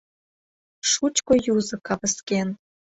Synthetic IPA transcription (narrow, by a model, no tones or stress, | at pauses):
ʃut͡ɕkojuzɤ̆kɑβə̆sken